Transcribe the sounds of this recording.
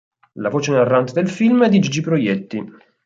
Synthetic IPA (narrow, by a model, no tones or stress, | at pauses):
lavoːt͡ʃenarːant̪d̪elfilmɛd̪ːid͡ʒid͡ʒipɾojɛt̪ːi